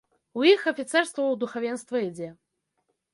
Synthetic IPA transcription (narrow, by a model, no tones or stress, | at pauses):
ujixɐfʲit̪sɛrst̪vɐwd̪uxavʲɛnst̪vɐid͡zʲɛ